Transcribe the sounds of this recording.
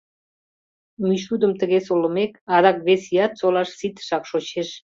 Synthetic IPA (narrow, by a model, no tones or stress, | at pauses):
miʃ̬ud̪əmt̪əɣesolə̆mekɑd̪ɑk̚βesiɑt̪̚solɑʃsit̪ə̥ʃɑkʃot͡ɕeʃ